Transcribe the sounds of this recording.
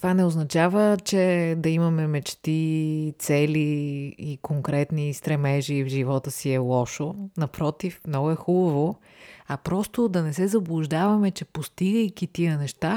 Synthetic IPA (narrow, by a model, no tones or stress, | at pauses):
t̪vanɛoznɐt͡ʃavət͡ʃɛd̪ɐimɐmɛmɛt͡ʃt̪it̪sɛliː | koŋkɾɛt̪nist̪ɾɛmɛʒivʒivɔt̪əsiɛlˠɔʃonɐpɾɔt̪ifmnɔɡʊɛxubəvo | ɐpɾɔst̪od̪ɐnɛsɛzɐblˠʊʒd̪avɐmɛt͡ʃɛpost̪iɡəjkit̪iənɛʃt̪a